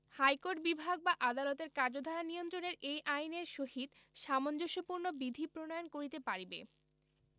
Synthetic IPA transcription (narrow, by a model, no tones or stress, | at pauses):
hajkoɾʈbibʱaɡ̚baʔad̪alot̪eɾkaɾd͡ʑod̪ʱaɾanijont̪ɾoneɾejʔajneɾʃohit̪ | ʃamond͡ʑoʃopuɾnobid̪ʱipɾonojonkoɾit̪epaɾibḛ